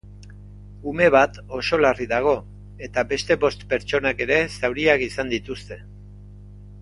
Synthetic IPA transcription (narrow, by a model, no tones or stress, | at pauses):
ume̞βat̪o̞so̞lariðaɣ̞o̞ | e̞t̪abe̞st̪e̞βo̞st̪pe̞ɾt͡ʃo̞nake̞ɾe̞sawɾiakisand̪it̪ust̪e̞